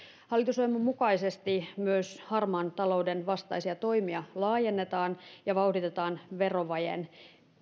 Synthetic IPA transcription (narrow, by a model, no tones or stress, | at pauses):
hɑlːˑit̪usojimummukɑisest̪imyøshɑrmɑːnt̪ɑlo̞udenʋɑst̪ɑ̰isiɑt̪o̞imiɑlɑːjenːet̪ɑːnjɑʋɑudit̪et̪ɑːnʋero̞ʋɑjḛn